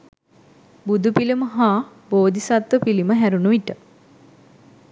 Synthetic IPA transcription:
bud̪upiliməɦaː | boːd̪isat̪ʋəpiliməɦæɾunuiʈə

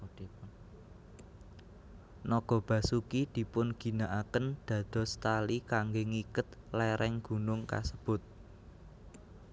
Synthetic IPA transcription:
nɔɡ̥ɔ̤b̥ä̤sukid̪̥i̤pʊnɡ̥i̤naʔakənd̪̥ä̤d̪̥ɔ̤st̪alikaŋɡeŋikət̪̚lɛɾɛŋɡ̥ṳnʊŋka̰səb̥ʊ̤t̪̚

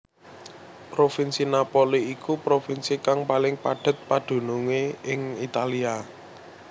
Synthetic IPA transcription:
pɾofinsinapoliikupɾofinsikaŋpalɪŋpaɖ̥ə̤t̪̚pad̪̥ṳnuŋeɪŋit̪alia

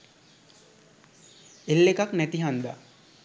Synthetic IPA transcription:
elːekaknæt̪iɦand̪a̰

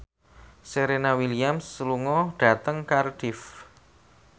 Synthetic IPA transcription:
seɾenawiliamsluŋɔɖ̥a̤t̪əŋkarɖ̥ɪf

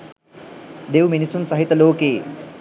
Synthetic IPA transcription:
d̪ewminisunsɐɦit̪əloːkeː

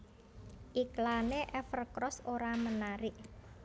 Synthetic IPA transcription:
ʔiklaneʔɛfərkɾɔsoɾamənaɾɪʔ

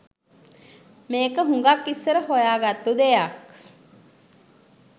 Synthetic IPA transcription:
meːkəɦuŋɡakːisːəɾəhojaːɡat̪ːud̪ejak

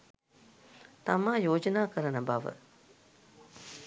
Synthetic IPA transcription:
t̪ɐmãːjoːd͡ʒnaːkɐɾənɐbaːʋə̰

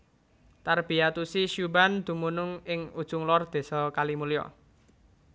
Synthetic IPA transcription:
t̪arb̥i̤jat̪usiʃuband̪̥ṳmunʊŋɪŋud̥ʒ̥ʊŋlɔrd̪̥e̤sɔkalimulijɔ̰

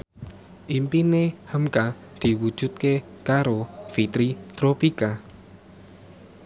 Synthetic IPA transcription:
ʔimpinehəmka | d̪̥i̤wud̥ʒ̥ṳt̪̚ke | kaɾofit̪ɾit̪ɾopika

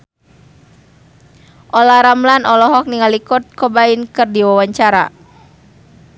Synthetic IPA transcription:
ʔɔlahɾamlanʔɔlɔɦɔk̚niŋalikɔt̪̚kɔbainkɨrdiwawaɲt͡ʃaɾa̰

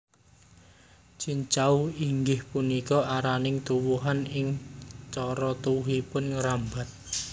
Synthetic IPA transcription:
t͡ʃiɲt͡ʃauiŋɡɪhpunikɔaɾanɪŋt̪uwuɦanɪŋt͡ʃɔɾɔt̪uwuɦipʊnŋəɾamba̤t̪̚

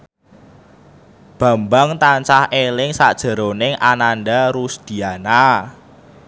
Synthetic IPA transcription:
b̥ä̤mbaŋt̪aɲt͡ʃahʔelɪŋsaʔd̥ʒ̥ə̤ɾonɪŋʔananɖaɾusd̪̥i̤ana

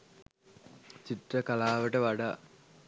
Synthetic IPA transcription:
t͡ɕit̪rəkɐlaːʋəʈəʋɐɖa

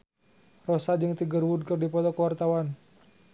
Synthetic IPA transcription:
rosad͡ʒɨŋt̪iɡərwud̚kərdipɔt̪ɔkəwart̪awan

